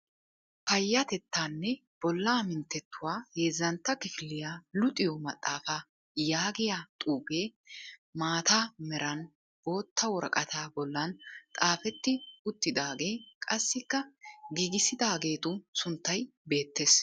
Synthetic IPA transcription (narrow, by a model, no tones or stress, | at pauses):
pɐjːɐt̪ɛt̪ːaːnːɛ | b̥ɔlːaːmɪnt̪ːɛt̪ːʊwaːheːzːɐnt̪ːɐkɪfɪlːɪjaːlʊt̪ʼːɪjɔmɐt̪ʼːaːfa | jaːɡɪjat̪ʼuːbe̞ːmaːt̪amɛɾɐn | b̥o̞ːt̪ʰːɐwɔɾɐ̰kʼɐt̪aːbɔlːɐnt̪ʼaːfɛt̪ːɪʊt̪ːɪd̪aːɡe̞ːkʼɐsːɪkːɐɡiːɡɪsɪd̪aːɡe̞ːt̪ʊsʊnt̪ːɐj | be̞ːt̪ːe̞ːs